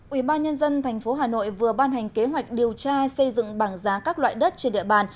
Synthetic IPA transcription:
ʔwi˧˩ɓaː˧nɲə˧nzə˧nt̪ʰjŋ̟fo˨˦ɦaː˨˩no̰˧˨jvɨ˨˩əɓaː˧nɦɛ˨˩jŋ̟ke˨˦ɦwa˨˩jk̟̚ɗi˨˩əwt͡ɕaː˧sə˧jzɨ̰˧˨ŋɓaː˧˩ŋzaː˨˦kaː˦˥k̚lwa̰ː˧˨jɗə˦˥t̚t͡ɕe˧nɗḭ˧˨əɓaː˨˩n

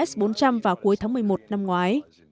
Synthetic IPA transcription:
ɛ˦˥sɓo˨˦nt͡ɕa˧mvaː˨˩wku˨˦əjt̪ʰaː˨˦mɨ˨˩əjmo˨˩t̚na˧mŋwaː˨˦j

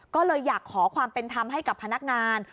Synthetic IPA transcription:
kɔː˥˩lɤː˧jːaː˨˩kʰːɔː˩˦kʰwaː˧mpe˧nt̪ʰa˧mɦa˥˩jka˨˩pʰːa˧na˦˥k̚ŋaː˧n

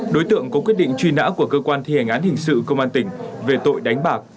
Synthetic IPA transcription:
ɗo˨˦jt̪ɨ̰˧˨əŋkɔ˨˦kwi˦˥t̚ɗḭ˧˨ŋ̟t͡ɕwi˧na̰ː˧˥ku˧˩əkəː˧kwaː˧nt̪ʰi˧hɛ˨˩ŋ̟ʔaː˨˦nhï˨˩ŋ̟sɨ̰˧˨kə˧wŋ͡mʔaː˧nt̪ï˧˩ŋ̟ve˨˩t̪o̰˧˨jɗa˨˦jŋ̟ɓaː˨˩k̚

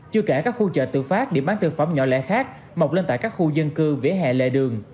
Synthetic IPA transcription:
t͡ɕɨ˧əkaː˧˩kaː˦˥k̚xu˧t͡ɕə̰ː˧˨˩t̪ɨ̰˧˨faː˦˥t̚ɗe˨˧˩ɓaː˨˦nt̪ʰɨ˨˩əfə˧˩wŋ͡mɲɔ̰˧˩lɛ̰˧˥xaː˦˥k̚ | mə˨˩wk͡p̚le˧nt̪aː˧˨jkaː˦˥k̚xu˧zə˧nkɨ˧ve˨˦ɦɛ̰˧˨lḛ˧˨ɗɨ˨˩əŋ

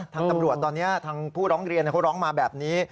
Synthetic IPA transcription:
t̪ʰaː˧ŋt̪a˧mɾu˨˩ət̪ːɔː˧nːi˦˥ɐt̪ʰaː˧ŋpʰuː˥˩ɾɔː˦˥ŋɾi˧nː˧˩kʰwɾɔː˦˥ŋmaː˧bɛː˨˩p̚niː˦˥

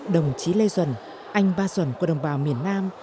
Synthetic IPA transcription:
ɗə˨˩wŋ͡mt͡ɕi˨˦le˧zwə̰˧˩˨n | ʔa˧jŋ̟ɓaː˧zwə̰˧˩˨nku˧˩ɗə˨˩wŋ͡mɓaː˨˦wmi˨˩ənːaː˧m

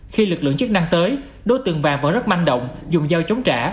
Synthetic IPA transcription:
xi˧lɨ˨˩k̚lɨ̰˧əŋt͡ɕɨ˦˥k̚na˧ŋt̪əː˨˦j | ɗo˨˦jt̪ɨ˨˩əŋvaː˨˩ŋvə̰˧˥nzə˦˥t̚ma˧nɗə̰˧˨wŋ͡mzʊ˨˩ŋ͡mzaː˧wt͡ɕə˨˦wŋ͡mt͡ɕa̰ː˧˩

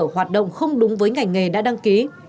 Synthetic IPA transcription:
hwaː˨˩t̚ɗə̰˧˨wŋ͡mxə˧wŋ͡mɗʊ˨˦ŋ͡mvəː˨˦jŋa˨˩jŋ̟ŋe˨˩ɗa̰ː˧˥ɗa˧ŋki˨˦

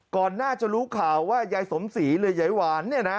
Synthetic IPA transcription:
kɔː˨˩nːaː˥˩t͡ɕa˨˩ɾuː˦˥kʰaː˨˩wːaː˥˩ja˨˦jso˩˦msiː˩˦lɯ˧əja˩˦jwaː˨˦nːi˥˩na˦

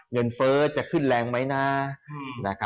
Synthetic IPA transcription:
ŋɤ˧nfɤː˦˥t͡ɕa˨˩kʰɯ˥˩nlɛː˧ŋma˦˥jnaː˧˩na˦˥kʰa˦

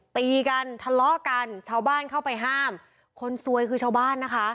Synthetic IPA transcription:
t̪iː˧ka˧nt̪ʰa˧lɔ˦˥ʔka˧nt͡ɕʰaː˧˥˩wbaː˥˩nkʰa˥˩wpa˧jɦaː˥˩m | kʰo˧nsu˧əjkʰɯː˧t͡ɕʰaː˧˩wbaː˥˩nːa˦˥kʰa˦˥ʔ

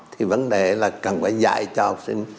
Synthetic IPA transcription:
t̪ʰi˨˩və˧˦nɗe˨˩˦laː˨˩kə˨˩nfaː˨˦jza̰˧˨jt͡ɕɔ˧ha˨˩k͡p̚sḭ˧ŋ̟

